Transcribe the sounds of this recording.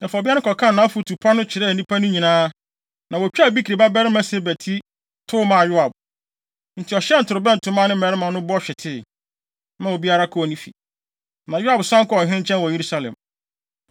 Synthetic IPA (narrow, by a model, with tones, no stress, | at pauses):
nã˨fɔ˨bi˦nɪ̃˦kʰɔ˨kʰã˦˨nã˦fu˨tʰu˨pʰa˦nʊ̃˦t͡ɕʰɪ˨ɾɛ˦˨nĩ˦pʰa˦nʊ̃˦ɲĩ˨nãː˦ | nã˨wɔ˨t͡ɕᶣbi˦kʰi˨ɾi˨ba˦bɛ˦ɾɪ˦mã˦se˦bæ˨tʰi˦ | tʰʊ˦mã˨jʊ˦a˨b̚ | n̩˨tʰɪ˨ɔ˨ɕɛ˦n̩˨tʰʊ˨ɾɪ˨bɛ˦n̩˨tʰʊ˨mã˦˨nɪ̃˦mɛ˨ɾɪ˦mã˨nʊ̃˦bʊ˦ɔ˦ɕᶣɛ˨tʰɪ˦˨ | mã˦˨wɔ˨bi˦a˦ɾa˦kʰɔ˦˨nĩ˦fḭ˨ | nã˨jʊ˦a˨bsʊ˦ã˦ŋ̩˦kɔ˦ɔ˨ɦɪ̃˦ɪ̃˦ɲ˦t͡ɕʰɛ̃˦n˨wɔ˨je˨ɾu˦sa˦lɛ̰̃˨m